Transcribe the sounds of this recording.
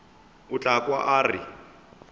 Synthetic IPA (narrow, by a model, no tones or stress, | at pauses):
ʊt͡ɬʼakʼwaʔaːrɪ̰